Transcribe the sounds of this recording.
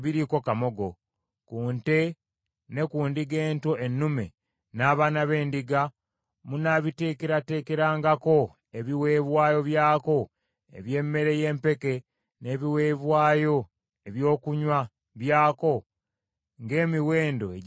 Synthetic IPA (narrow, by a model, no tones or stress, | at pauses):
βiɾiko̞kamo̞ɡo̞ | kuːnte | ne̞kuːndiɡe̞ːntoenːume̞̰ | naːβaːnaβe̞ːndiɡa | munaβite̞ːkeɾate̞ːkeɾaːŋɡako̞ | e̞βiwe̞ːβwaːjo̞βjaːko̞ | ḛβje̞ːmːe̞ɾe̞je̞ːmpe̞ke | ne̞ːβiweːβwaːjo̞ | e̞βjo̞ːkuɲwa | βjaːko̞ | ŋɡe̞ːmiwe̞ːndo̞eɟ